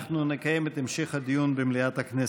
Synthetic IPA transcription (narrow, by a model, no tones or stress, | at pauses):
χnunɪkajɛmɛt̪ɪmʃiχhad̪ijunbɪmliat̪haknɛ